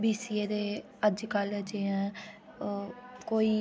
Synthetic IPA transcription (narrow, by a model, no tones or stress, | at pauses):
biːsiːeːd̪eː | əd͡ʒkəld͡ʒeːɛ̃ː | koːiː